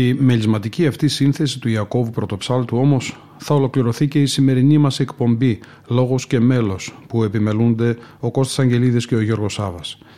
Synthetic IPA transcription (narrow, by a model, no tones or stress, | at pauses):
imelizmɐt̪iciɐft̪isinθe̞sit̪uiɐko̞vupɾo̞t̪o̞psɐlt̪uo̞mo̞s | θɐo̞lo̞kliɾo̞θice̞isime̞ɾinimɐse̞kpo̞mbi | lo̞ɣo̞sce̞me̞lo̞spue̞pime̞lund̪e̞o̞ko̞st̪i̥sɐɲɟe̞liðisce̞o̞ʝo̞ɾɣo̞sɐvɐs